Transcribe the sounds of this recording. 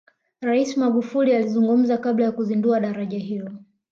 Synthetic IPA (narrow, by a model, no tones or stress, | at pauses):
ɾaisimaɡufulializuŋɡum̩zakaɓlajakuzinduaɗaɾaʄaɦilɔ